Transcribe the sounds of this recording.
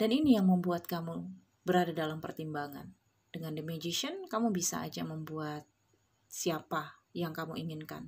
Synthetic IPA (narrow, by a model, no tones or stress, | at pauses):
d̥aninijaŋməmbuat̪̚kamu | bəɾadadalampərt̪imbaŋa̰n | d̥əŋandəmed͡ʒiʃiənkamubisa̰a̰d͡ʒaməmbuat̪̚ | siapajaŋkamuiŋɪnka̰n